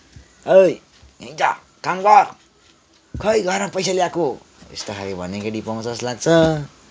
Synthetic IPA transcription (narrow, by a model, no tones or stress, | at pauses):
ʌj | ʌjt̪a̰ | kaŋbar | kʌjɡʱʌɾmapʌjs̬aljako | ḛst̪okʰaɾibʱʌnekʌɽipʌw̃t͡sʌslaɡ̚t͡sʰʌ